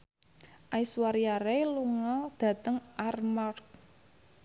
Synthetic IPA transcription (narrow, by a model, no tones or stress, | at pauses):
ʔaiswaɾiaɾeluŋɔld̪̥ä̤t̪əŋʔarmark̚